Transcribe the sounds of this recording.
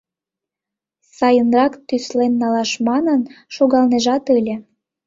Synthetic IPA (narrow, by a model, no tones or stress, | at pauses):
sɑjənrɑkt̪yslenːɑlɑʃmɑnənʃoɣɑlneʒɑt̪əlʲĕ